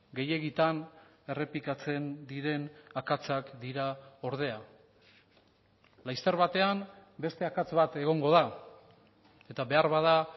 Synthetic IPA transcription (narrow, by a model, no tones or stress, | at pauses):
ɡe̞je̞ɣit̪an | e̞re̞plikat͡se̞nd̪iɾe̞nakat͡sakd̪iɾao̞ɾð̞e̞a | lajst̪eɾβat̪e̞ambe̞st̪e̞akat͡sβat̪e̞ɣ̞o̞ŋɡo̞ða | e̞t̪aβe̞aɾβaða